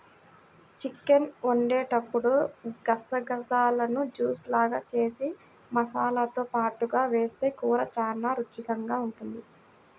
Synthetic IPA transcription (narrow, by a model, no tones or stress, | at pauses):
t͡ʃikːenoɳɖeːʈɐpːuɽuɡɐsɐɡɐsaːlɐnud͡ʒuːslaːɡaːt͡ʃe̞ːsi | mɐsaːlat̪o̞ːpaːʈuɡaːʋe̞ːst̪e̞ːkuːɾɐt͡ʃaːnːaːɾut͡ʃːikɐŋɡaːuɳʈund̪i